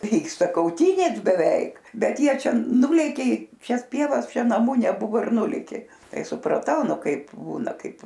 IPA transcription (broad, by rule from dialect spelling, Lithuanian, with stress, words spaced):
ˈʋʲiːkstɐ kɐʊˈtʲiːnʲeːs bʲɛˈʋʲɛɪk ˈbʲɛt ˈjiɛ ˈt͡ʃʲɛ ˈnʊlʲeːkʲeː ɪ ˈʃʲɛs ˈpʲiɛʋɐs ˈt͡ʃʲɛ nɐˈmʊ nʲɛˈbʊʋoː ɪr ˈnʊlʲeːkʲeː ˈtɐɪ sʊprɐˈtɐʊ ˈnʊ ˈkɐɪp ˈbuːnɐ ˈkɐɪp